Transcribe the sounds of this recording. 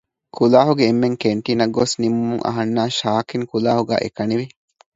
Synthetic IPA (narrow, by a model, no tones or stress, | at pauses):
kʰulaːɦuɡeːmːeŋkeɳʈiːnɐɡosnimumuŋʔɐ̰ɦɐnːaːʃaːkiŋkulaːhuɡæ̰ːʔḛkɐniʋi